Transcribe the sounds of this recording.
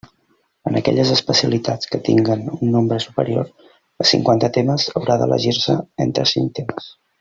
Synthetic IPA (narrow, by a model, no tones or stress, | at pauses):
ənəkɛ̰ʎəzəspəsiəlit̪at͡skət̪ḭŋɡənunːombɾəsu̥pəɾio̰ɾ | əsḭŋkwant̪ət̪eməzəwɾaðə̰lə̰ʒirsəent̪ɾəsint̪eməs